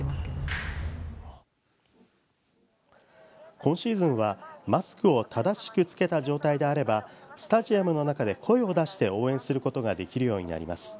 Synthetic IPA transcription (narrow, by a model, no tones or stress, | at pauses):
aseo | kʰõ̞ɕiːzɨ̃ɰ̃β̞amasɨ̥kɯ̟o̞t̪ad̪aɕi̥kɯ̟t͡sɨ̥ke̞t̪aʑo̞ːt̪aid̪e̞aɾe̞basɨ̥t̪aʑiamɯ̟no̞nakad̪e̞kʰo̞e̞o̞d̪aɕi̥t̪e̞o̞ːẽ̞ɰ̃sɨɾɯ̟ko̞t̪o̞ɡad̪e̞kʲiɾɯ̟jo̞ːɲ̟ina̰ɾʲḭmasɨ̥